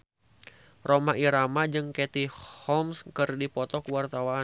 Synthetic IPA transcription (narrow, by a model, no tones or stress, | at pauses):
romaʔiɾamad͡ʒɨŋkɛt̪ihɔmskɨrdipɔt̪ɔkuwart̪awaː